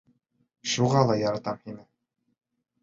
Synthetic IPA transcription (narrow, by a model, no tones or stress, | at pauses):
ʃuʁɑlˠɑjɑɾɑt̪ɑmhinɘ